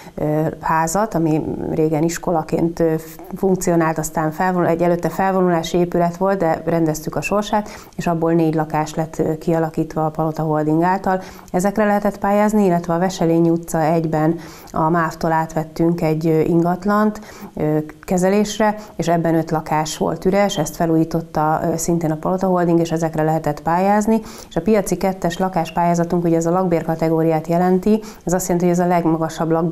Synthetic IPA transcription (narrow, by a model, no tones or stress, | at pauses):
haːzɒt̪ɒmireːɡɛniʃko̞lɒkḛːnt̪ø | fuŋk̚t̪sio̞naːlt̪ɒst̪aːɱfɛlvouɛɟːɛløːt̪ːɛfɛlvo̞nulaːʃieːpylɛt̪ʋo̞lt̪̚d̪ɛrɛnd̪ɛst̪ykɒʃo̞rʃaːt̪ | eːʃɒbːoːlneːɟlɒkaːʃlɛt̪ːkiɒlɒkiːt̪ʋɒːpɒlot̪ɒɦord̪iŋɡaːlt̪ɒl | ɛzɛkrɛlɛɦɛt̪ɛt̪paːjaːzniilːɛt̪ʋɛɒvɛʃɛleːɲiut̪sɒɛɟbɛn | ɒmaːft̪oːlaːt̪ʋɛt̪ːyŋkɛɟːʔiŋɡɒt̪lɒnt̪ | økɛzɛleːʃrɛeːʃɛbːɛnø̞t̪lɒkaːʃʋo̰lt̪yɾɛʃɛst̪fɛluːjiːt̪o̞t̪ːɒsint̪eːnɒpɒlo̞t̪ɒɦo̞ld̪iŋɡeːʃɛzɛkrɛlɛɦɛt̪ɛt̪paːjaːzni | eʃɒpijɒt̪sikɛt̪ːɛʃlɒkaːʃpaːjaːzɒt̪uŋkuɟɛːzɒlɒɡ̚beːrkɒt̪ɛɡoːɾijaːt̪jɛlɛnt̪i | ɛzɒst̪jɛlɛnt̪ihoɟɛzɒlɛɡmɒɡɒʃɒblɒɡ